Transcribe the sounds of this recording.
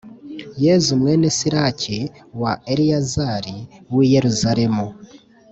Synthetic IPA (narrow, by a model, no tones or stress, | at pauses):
jezumwe̞nesiɾaciwaeɾiazaɾiwije̞ɾuzaɾe̞mu